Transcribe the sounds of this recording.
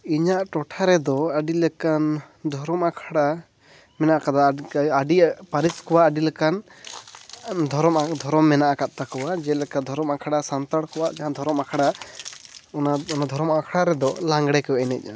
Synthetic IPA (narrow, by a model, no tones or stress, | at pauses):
iɲaʔʈɔʈʰaɾɛd̪ɔaɖilɛkan | d̪ʱɔɾɔmakʰɽa | mɛnaʔakad̪aaɖipaɾiskɔwaʔːɖilɛkan | d̪ʱɔɾɔmad̪ʱɔɾɔmːɛnaʔakaʔ̪̚t̪akɔwad͡ʒɛlɛkad̪ʱɔɾɔmakʰaɽasant̪aɽkɔwaʔd͡ʒaɦãd̪ʱɔɾɔmakʰaɽa | ɔnad̪ʱɔɾɔmaakʰaɽaɾɛd̪ɔlãŋɡɽɛkɔwɛʔɛnɛc̚ˀa